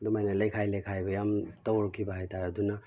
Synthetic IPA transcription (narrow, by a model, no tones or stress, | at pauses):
dumajnalekʰajlekʰajbʌjamtɔɾkʰibaɦajtaɾaduna